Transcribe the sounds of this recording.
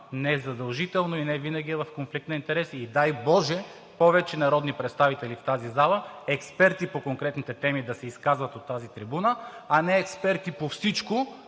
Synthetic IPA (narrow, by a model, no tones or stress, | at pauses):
nɛzɐd̪ɐlˠʒit̪ɛlˠnoinɛvinɐɡ̟ʲiɛvɐfkonflik̚t̪nɐint̪ɛɾɛsid̪ajbɔʒɛ | pɔvɛt͡ʃɛnɐɾɔd̪nipɾɛt̪st̪avit̪ɛlift̪azizalˠəɛkspɛɾt̪ipokoŋkɾɛt̪nit̪ɛt̪ɛmid̪ɐsɛiskazvɐt̪ot̪ːazit̪ɾibunəanɛɛkspɛɾt̪ipofsit͡ʃko